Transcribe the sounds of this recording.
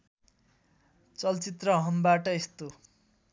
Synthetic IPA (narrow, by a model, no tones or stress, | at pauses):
t͡sʌlt͡sit̪rʌɦʌnbaʈʌest̪o